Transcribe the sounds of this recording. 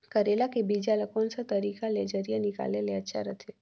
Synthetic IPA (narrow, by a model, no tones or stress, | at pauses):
kəɾelakebid͡ʒaləkonsət̪əɾikaled͡ʒəɾijənika̰leleəːʃʰa̰ɾət̪ʰe